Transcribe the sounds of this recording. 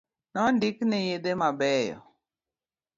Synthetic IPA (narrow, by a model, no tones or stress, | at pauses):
nɔndiknɛjedemabɛjɔ̰